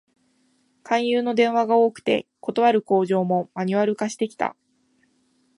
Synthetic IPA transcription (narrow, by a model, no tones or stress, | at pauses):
kãɰ̃jɯːno̞d̪ẽ̞ɰ̃βaɡao̞ːkɯ̟̥t̪e̞̰ko̞t̪o̞β̞aɾɯ̟ko̞ːʑo̞ːmo̞maɲ̟iβaɾɯ̟kaɕi̥t̪e̞kʲi̥t̪a̰